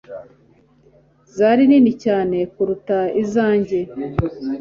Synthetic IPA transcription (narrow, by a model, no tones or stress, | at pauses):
zaɾiniːnicaːne̞kuɾutaizaːɲɟe̞